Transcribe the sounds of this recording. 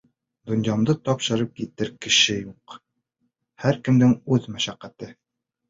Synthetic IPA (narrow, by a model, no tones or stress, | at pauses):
d̪ŏnjɑmd̪ɤt̪ɒpʃɤ̆ɾɤp̚kit̪ɘɾkɘ̆ʃɘjuq | hæɾkɘ̆md̪ɘŋʉðmæʃæqːæt̪ɘ